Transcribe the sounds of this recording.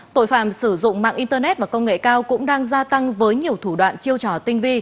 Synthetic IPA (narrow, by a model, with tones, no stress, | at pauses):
t̪o̰˧˨jfa̰ː˧˨msɨ˧˩zʊ̰˧˨ŋ͡mma̰ː˧˨ŋʔi˧nt̪əː˧nɛ˦˥t̚vaː˨˩kə˧wŋ͡mŋḛ˧˨kaː˧wkʊ̰˧˥ŋ͡mɗaː˧ŋzaː˧t̪a˧ŋvəː˨˦jɲi˨˩əwt̪ʰu˧˩ɗwa̰ː˧˨nt͡ɕi˧əwt͡ɕɔ˧˩t̪ï˧ŋ̟vi˧